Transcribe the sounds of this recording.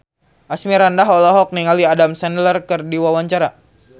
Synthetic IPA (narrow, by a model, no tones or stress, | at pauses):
ʔasmiɾandaɦɔlɔɦɔk̚niŋaliadamsɛnlərkɨrdiwawaɲt͡ʃaɾa